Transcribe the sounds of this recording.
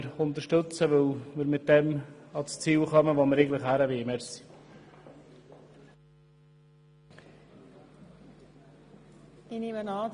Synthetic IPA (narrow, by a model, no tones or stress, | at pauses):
ɾʊnt̪əɾʃtɵt͡səvɪlməɾmɪt̚d̥ɛmɑlst͡siːlχœməʋoməɾeɪɡŋləχhæɾəvemɛɾsi̥ | ɪnɪmənɑː